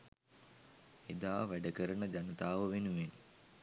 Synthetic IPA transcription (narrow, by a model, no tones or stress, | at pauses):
ed̪aːʋæɖəkəɾənəd͡ʒanət̪aːʋəʋenuʋen